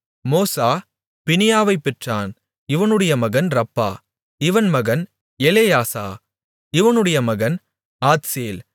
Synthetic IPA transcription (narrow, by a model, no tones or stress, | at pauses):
moːsaː | pɪnɪjaːʋɐɪpːɛʈraːn | ɪʋɐnɯɽɐjɐmɐɣɐnɾɐpːa̰ː | ɪʋɐnmɐɣɐn | ɛleːjaːsa̰ː | ɪʋɐnɯɽɐjɐmɐɣɐn | aːt̪seːl